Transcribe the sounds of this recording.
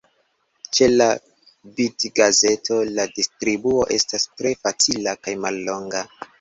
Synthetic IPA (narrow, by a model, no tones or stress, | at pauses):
t͡ʃe̞la | bidɡaze̞tʰo̞ladistɾibuo̞ʔe̞stastɾe̞fat͡silakajmalːo̞ŋɡa